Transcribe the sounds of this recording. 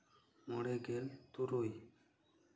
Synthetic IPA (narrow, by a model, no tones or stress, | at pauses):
moɽeɡelt̪uɾoj